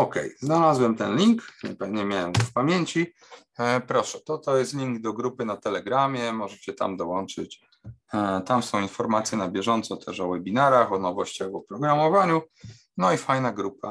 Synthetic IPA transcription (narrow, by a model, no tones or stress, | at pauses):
ɔkɛ̰jznalazwɛmt̪ɛnlʲiŋkɲɛpɛvɲɛmʲjawɛmfpamʲjeɲt͡ɕi | pɾɔʂɛt̪ɔt̪ɔjɛst̪lʲiŋɡd̪ɔɡɾupɘnat̪ɛlɛɡɾamʲjɛmɔʐɛɕɛt̪a̰md̪ɔwɔnt͡ʂɘt͡ɕ | t̪amsɔ̃w̃infɔɾmat̪sʲjɛnabʲjɛʐɔnt̪sɔt̪ʰɛʂɔwɛbʲinaɾaxɔnɔvɔɕt͡ɕaɣɔpɾɔɡɾamɔvaɲu | nɔifajnaɡɾupa̰